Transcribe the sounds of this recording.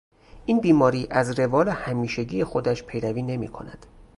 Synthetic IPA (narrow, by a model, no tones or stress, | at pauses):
ʔiːnbiːmɒːɾiːʔæzre̞vɒːlehæmiːʃeɟiːjexod̪æʃpʰe̞jɾæviːne̞mḭːkʰo̞̰næ̰d̪̥